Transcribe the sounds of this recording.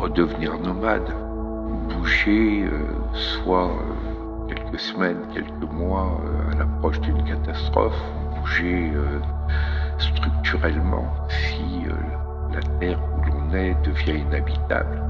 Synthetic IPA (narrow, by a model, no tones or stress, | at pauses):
ʁəd̪əvniʁnɔmad̪ | buʒeø̰swaø̰ | kʲɛlkəsəmɛnkʲɛlkəmwaø̰a̰lapχɔʃd̪ynkat̪ast̪χɔ̰fubuʒeø | st̪χyk̚t̪yʁɛlmɑ̰̃ | si | ø̰ | lat̪ɛʁulɔ̃nɛd̪əvjɛ̃inabit̪a̰bl